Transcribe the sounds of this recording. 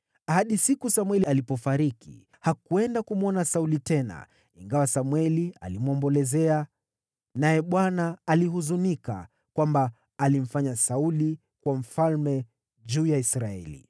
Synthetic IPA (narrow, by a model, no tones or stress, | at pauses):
ahaɗisikusamwɛlialipɔfaɾikḭ | hakuɛndakumuɔnasaulitɛna̰ | ḭŋɡawasamwɛlia̰limwɔmbɔlɛzɛa | najɛɓwanaːlihuzunika̰ | kwambaː | lim̩faɲasauli | kwam̩falmɛ | ʄuːjaisɾaɛ̰lḭ